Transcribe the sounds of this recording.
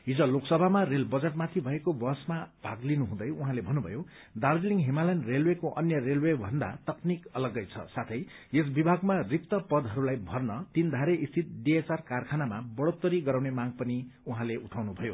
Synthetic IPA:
ɦid͡zʌloksʌbʱamarelbʌd͡zeʈmat̪ʰibʱʌekobʌsmab̥ʱaɡlinuɦũd̪ʌjuɦãlebʱʌnːubʱʌ̰jo | d̪ald͡ziliŋɡɦemalajnrelwekoʔʌnjʌrelwebʱʌnd̪a̰t̪ʌknikʌlʌɡʌjt͡sʰʌ̰sat̪ʰʌjes̬bibʱaɡmarip̚t̪ʌpʌd̪ʱɦʌɾulajbʱʌrnʌt̪ind̪ʱaɾeʔist̪ʰit̪̚ɖiet͡sarkarkʰanamabʌɽot̪ːʌɾiɡʌɾaw̃nemaɡ̚pʌniuɦãleʔuʈʰawnubʱʌjo

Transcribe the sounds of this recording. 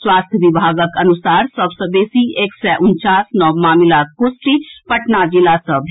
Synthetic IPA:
swaːst̪ʰjəʋibʱaːɡəkɐnʊsaːɾsəbsəbeːsieːksɛʔʊnt͡ʃaːsnɔːmaːmɪlaːkosʈɾiːpɐʈnad͡ʒilasəbʱ

